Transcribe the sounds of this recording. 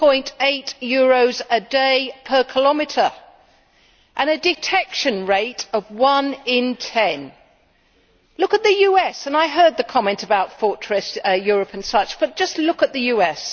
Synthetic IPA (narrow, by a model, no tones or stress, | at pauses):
pʰɔ̃ɪ̃nteɪtjʊɹoʊzɨdeɪpʰə˞kʰəlɑmɨɾə˞ | ʔɨ̃nɨdɨtʰɛkʃɨ̃nɹeɪɾʌvwʌ̃nɪ̃ntʰɛ̃n | lʊkɨt̪̚ðɨjʉɛsɨ̃naɪɦɜ˞d̪̚ðɨkʰɑmɛ̃ntəbaʊtfɔɹtɹ̥ɨsjɔɹɨpɨ̃n̩sʌt͡ʃb̥ʌt̚d̥ʒ̥ʌstˡlʊkət̪̚ðɨjʉɛs